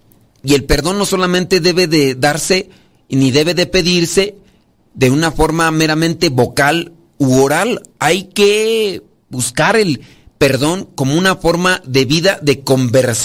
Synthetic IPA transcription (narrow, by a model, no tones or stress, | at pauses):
ie̞lpe̞ɾðo̞nːo̞so̞lamẽnt̪e̞ðe̞βe̞ðeðaɾse̞ | niðe̞βe̞ðe̞pe̞ðiɾse̞ | ðe̞unafo̞ɾmame̞ɾamẽnt̪e̞βo̞kal | uoɾalajke | buskaɾe̞l | pe̞ɾðo̞ŋko̞mounafo̞ɾmaðe̞βiðaðe̞ko̞mbe̞ɾs